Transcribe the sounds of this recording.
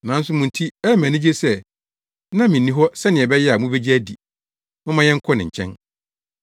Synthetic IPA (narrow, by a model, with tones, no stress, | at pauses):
nã˨n̩˦sʊ˦mʊ̃˨n̩˨tʰi˦ɛ˦mæ̃˨nɪ̃˦d͡ʑe˦sɛ˦˨ | nã˦mɪ̃˨nĩ˦ɦɔ˦sɛ˦nɪ̃˨ɛ˨bɛ˦jɛ˦a˨mũ˦be˦d͡ʑi˦æ˦di˨ | mɪ̃˦mã˦jɛ̃˦ŋ̩˦kʰɔ˦nɪ̃˨ɲ̩˨t͡ɕʰɛ̰̃˦n